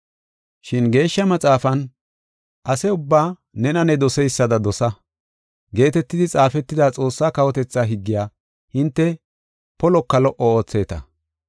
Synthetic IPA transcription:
ʃɪnɡe̞ːʃːɐmɐt͡sʼaːfɐn | ʔɐsɛʊbːaː | nɛnɐnɛd̪ɔsɛjsːɐd̪ɐd̪ɔsɐ | ɡe̞ːt̪ɛt̪ːɪd̪ɪt͡sʼaːfɛt̪ːɪd̪aːt͡sʼo̞ːsːaːkɐwɔt̪ɛt͡sːaːɦɪɡːɪjaː | hɪnt̪ːɛ | pɔlɔkːɐlɔʔɔo̞ːt͡sːe̞ːt̪ɐ̰

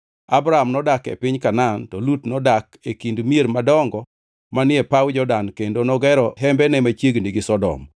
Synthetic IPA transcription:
abɾaɦamnɔdakɛ̰pɪɲkanantɔlutnɔdakekindmieɾmadɔŋɡɔ | manɪɛpawd͡ʒɔdankendonɔɡɛɾɔɦɛmbɛnɛmat͡ʃjeɡniɡɪsɔdɔ̰m

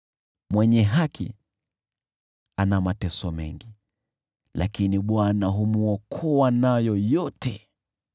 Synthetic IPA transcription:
mwɛɲɛɦakʰḭ | anamatɛsɔmɛ̰ŋɡi | lakiniɓwanaɦumuɔkʰɔwanajɔjɔtɛ

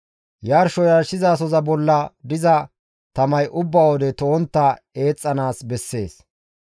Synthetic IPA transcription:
jaːɾʃɔjaɾʃɪzaːsɔzɐbɔlːɐd̪ɪzɐ | t̪ɐmɐjʔʊbːawɔd̪ɛt̪oːnt̪ːɐ | e̞ːt͡sʼːɐnaːsbɛsːe̞ːs

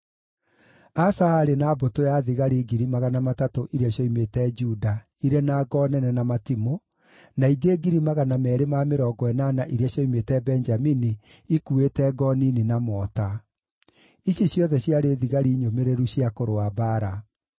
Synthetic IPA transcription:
asaaɾenaːbotojaðiɣaɾiːɡiɾimaɣanamatatoʔiɾiaɕjɔimetɛd͡ʒuda | iɾenaːɡɔnɛnɛnamatimo | naiɡeːɡiɾimaɣanamɛːɾemameɾɔɡɔɛnaːnaʔiɾiaɕjɔimetɛbɛnd͡ʒaminiː | kuetɛɡɔnininamɔta | iɕjeɕjɔðɛɕjaɾeðiɣaɾiːɲomeɾeɾuɕjakoɾoabaːɾa

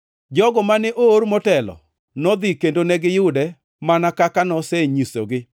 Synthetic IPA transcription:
d͡ʒɔɡɔmanɛʔoːɾmɔtɛlɔ̰ | nɔd̪ikendonɛɡɪjʊdɛ | manakakanɔsɛɲiso̰ɡɪ

